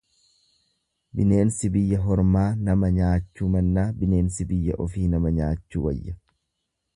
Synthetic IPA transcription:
bɪne̞ːnsɪbɪjːɐɦɔɾmaːnɐmɐɲaːt͡ʃːuːmɐnːaːbɪne̞ːnsɪbɪjːɐʔɔfiːnɐmɐɲaːt͡ʃːuːwɐ̰jːɐ

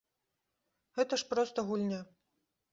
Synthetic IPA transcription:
ɣɛt̪ɐʂpɾɔst̪ɐɣulʲnʲa

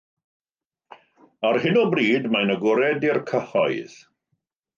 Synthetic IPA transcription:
arhɪnɔbriːdmajnəɡʊɾɛdirkʰəhɔɨð̥

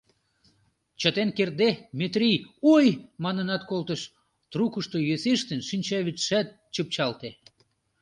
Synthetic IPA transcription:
t͡ɕət̪enkerd̪emet̪rʲijujmɑnənɑt̪kolt̪əʃ | t̪rukəʃt̪ojøseʃt̪ənʃinʲt͡ɕɑβit͡sʃæt̪̚ | t͡ɕəp̚t͡ɕɑlt̪e

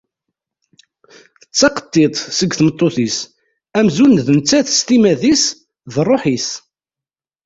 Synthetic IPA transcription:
θət͡sːɑqə̥t̪ˤːet̪ˤsəɡθmət̪ˤːoθis | æmzunðnt͡sːæθə̥st̪imæðis | ðrˤːoħis

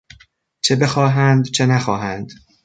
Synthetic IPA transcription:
t͡ʃʰe̞be̞xɒːɦænd̪t͡ʃʰe̞næxɒːɦænd̪̥

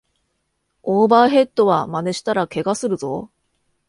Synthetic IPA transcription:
oːbaːɦe̞t̪ːo̞βamane̞ɕi̥t̪aɾake̞ɡasɨɾɯ̟zo̞̰

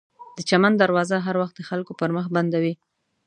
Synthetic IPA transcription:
d̪̥ət͡ʃamand̪aɾwɑzaɦaɾwaxt̪̚d̪əxalkopəɾməxband̪awi

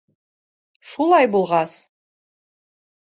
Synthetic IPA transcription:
ʃulˠɑjbulˠʁɑs

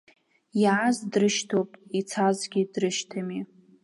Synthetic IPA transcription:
jaazdrɨʃtʰopʼit͡sʰazɡʲidrɨʃtʰami

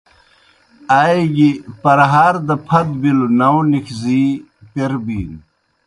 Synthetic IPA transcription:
aːjɡipɐɾɦaːɾd̪ɐpʰɐd̪bilunɐwnikʰziː | peɾbiːn

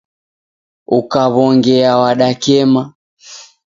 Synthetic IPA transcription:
ukaβɔŋɡɛawaɗakɛma

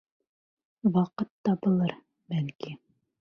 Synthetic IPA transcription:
wɑqɤt̪ːɑbɤ̆lˠɤɾ | bælki

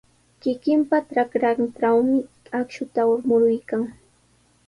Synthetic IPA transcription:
kɪkɪmpaʈ͡ʂakɾaʈ͡ʂawmɪ | akʃʊt̪aʊɾmʊɾʊjkaŋ

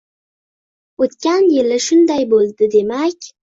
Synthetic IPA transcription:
ot̪kʲanjɪlɪʃʊnd̪ajbolˠd̪ɪd̪e̞makʲ

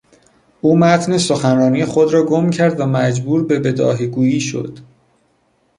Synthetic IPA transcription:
ʔuːmæt̪ʰne̞soxænrɒːnijexo̞d̪ɾɒːɡomcʰæɾd̪væmæd͡ʒbuːɾbe̞be̞d̪ɒ̰ːɦiɡuːjiːʃo̞̰d̪̥

